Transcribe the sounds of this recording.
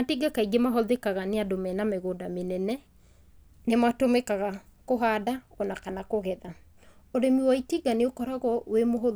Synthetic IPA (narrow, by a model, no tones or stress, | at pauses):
atiɡakaiɡemaɦɔðekaɣaneadomɛnameɣoːdamenɛnɛ | nematomekaɣakoɦadaɔnakanakoɣɛða | oɾemiwaitiɡaneokɔɾaɣɔwemoɦo